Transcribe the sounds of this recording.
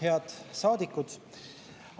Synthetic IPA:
eɑd̪̥sɑːd̪ikːˑud̪̥

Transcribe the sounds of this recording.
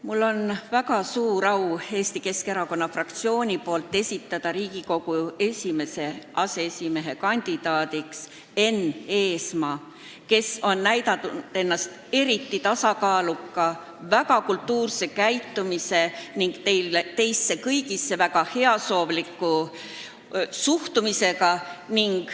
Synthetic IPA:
mulːo̞nvækɑsuːɾɑwe̞ːst̪ike̞ske̞ɾɑko̞nːɑfrɑkt̪sio̞ːnʲipo̞ːlt̪ˑːe̞sʲit̪ːˑɑd̪̥ɑɾiːɡ̥iko̞ɡ̥ue̞sʲime̞se̞ʔɑse̞esʲime̞ɦe̞kɑnʲd̪̥id̪̥ɑːd̪iks | e̞ne̞ːsmɑː | ke̞so̞nːæjd̪ɑt̪ːud̪̥e̞nːɑst̪ | e̞ɾit̪ːit̪ɑsɑkɑːlukːˑɑ | væɡɑkult̪ːuːrse̞kæjt̪ːˑumise̞niŋɡ̥t̪e̞jlet̪e̞jsːe̞kɤjɡisːe̞væɡ̥ɑhe̞ɑso̞ːvlikˑːu | suht̪umise̞kɑniŋɡ̥

